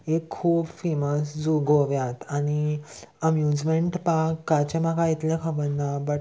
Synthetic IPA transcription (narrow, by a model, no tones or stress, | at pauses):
ekʰːuːbfeməsd͡zuɡoʋjãt̪añiəmjud͡zmeɳʈpakːat͡ɕemakait̪lẽkʰəʋənːabəʈ